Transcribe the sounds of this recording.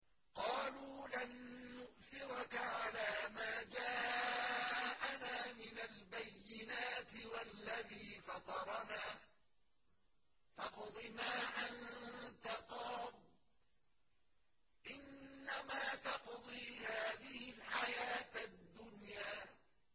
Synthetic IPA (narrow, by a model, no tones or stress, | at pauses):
qɑːluːlanːʊʔθɪɾʊkaʕalaːmaːd͡ʒaː | ʔanaːmɪnalbajːɪnaːt̪ɪwalːaðiːfɑt̪ˤɑɾˤɑnaː | fɑqd̪ˤɪmaːʔant̪aqɑːl | ʔɪnːamaːt̪ɑqd̪ˤiːhaːðɪhɪlħajaːt̪ad̪ːʊnjaː